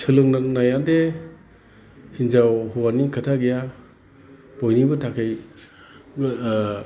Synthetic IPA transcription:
sʰɯlɯŋnanajande | hinzawhuwaniŋkʰatʰaɡija | b̥ɔjnibɯtʰakʰɯj

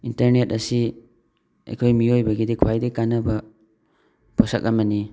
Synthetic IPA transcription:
intɐɾnet̚ɐsi | ḛjkʰojmiojbɐɡidikʰwajdikanːɐbɐ | pʰosɐk̚ɐmɐni

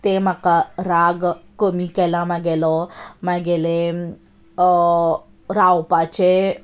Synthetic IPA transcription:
t̪emakaɾaɡkomikelamaɡelɔmaɡele | ɾawpat͡ʃe

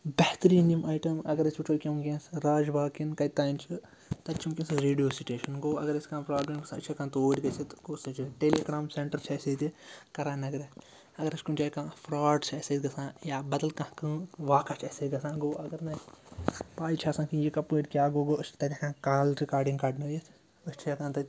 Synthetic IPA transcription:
bɛht̪ɾiːnimaːjʈɐmɐɡɐɾɐsbiʈʰoːkʲɐmɡʲẽːsɾaːd͡ʒʋaːkinkɐjt̪aːint͡ʃʰɨ | t̪ɐt͡ʃʰimkʲĩsɨɾeːɖijoːsiʈeːʃɐnɡoːɐɡɐɾɐskãːpɾaːbleːmɡɐsãːt͡ʃʰɐkãːt̪oːɽʲɡɐset̪koːsɨ̃t͡ʃɨʈeːleːɡɾaːmseɳʈɐɾt͡ʃʰɐsed̪ʲikɐɾaːnɐɡɐɾɛ | ɐɡɐɾɐt͡ʃkumt͡ʃaːkãːfʰɾaːɖsʰɐsed̪ɡɐsãːjaːbɐd̪ɐlkãhkɨʋaːkat͡ʃʰɐseːd̪ʲɡɐsãːɡoːɐɡɐɾnɐj | paːjt͡ʃʰaːsãːkĩjikɐpoːʈʲkʲjaːɡoːɡoːst̪ɐt̪ʲakãːkaːlɾikaːɾɖiŋɡkaːɖnɐjɐsʰ | ɐst͡ʃʰiɐkãːnt̪ɐ

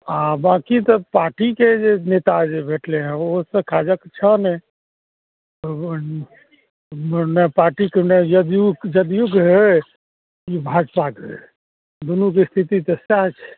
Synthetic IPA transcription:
abakit̪ɔpaɾʈiked͡ʒenet̪ad͡ʒebʱeʈleɦɛ̃osə̃kʰad͡ʒəkt͡ʃʰənɛ | nɛpaɾʈikenjəd̪jukd͡ʒəd̪juɡɦe | ibʱad͡ʒpakḛ | d̪unukest̪ʰit̪it̪ɔsaɦt͡ʃʰ

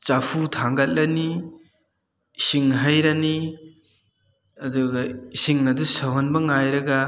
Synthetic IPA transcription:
t͡ʃapʰutʰaŋɡɐt̚lɐni | siŋɦajɾɐni | ɐduɡɐsiŋnɐdusɐwɦɐnbɐŋajɾɐɡɐ

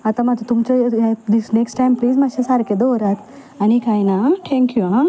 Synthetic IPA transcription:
ɐt̪ɐmɐt̪t̪umt͡ʃod̪isneksʈajmpliːzmɐʃesaɾɐked̪ooɾak | ɐnikajnaʈ̪ʰeŋkjua

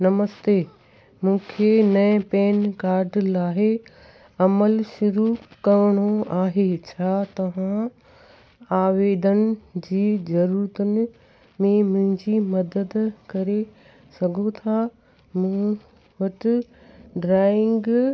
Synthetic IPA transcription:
nɐməst̪eː | mũːkʰenɐ̃ɪ̃peːnkaːɾɖlaːɦɪ | ɐməlʃʊɾukɐʋɽ̃oaːɦet͡ɕʰaːt̪ɐʋ̤ã | aːʋeːd̪ənɪ̆d͡ʑiːzɐɾuːɾət̪ənɪ̆ | mẽmʊ̃ɦɪ̃ɲd͡ʑimɐd̪əd̪kɐɾe | sɐɡʱot̪ʰa | mũː | ʋɐʈɪ | ɖɾaːɪ̃ŋɡ

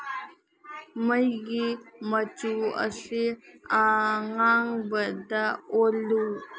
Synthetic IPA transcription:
məjɡimət͡suə̰seaŋaŋbəd̪aolu

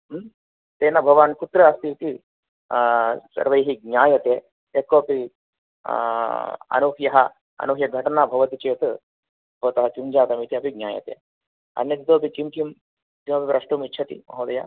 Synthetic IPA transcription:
t̪eːnɐbʱɐʋaːnkut̪ɾɐɐst̪it̪i | sɐ̰ɾʋɐjɦiɡ̚ɲʲaːjɐt̪eː | ekːoːpi | ɐ̰nuɦjɐɦɐ | ɐ̰nuɦjɐɡʱɐʈɐnaːbʱɐʋɐt̪it͡ʃeːt̪ɨ | boːt̪ɐɦɐt͡ʃumd͡ʒaːt̪ɐmit̪iɐpiɡnʲaːjɐ̰t̪ḛː | ɐ̰njɐt̪id̪oːpikimkim | t̪imɐpipɾɐʂʈuːmitːt͡ʃʰɐt̪ḭmɐ̰ɦoːd̪ɐja̰

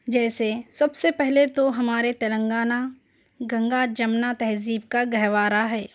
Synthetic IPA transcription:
d͡ʒɛːsesɐbsepɛɦlet̪oɦɐmaːɾet̪ɐlə̃ŋɡaːna | ɡɐ̃ŋɡad͡ʒɐmnat̪ɛɦziːb̚kaɡɐɦʋaːɾaɦɛː

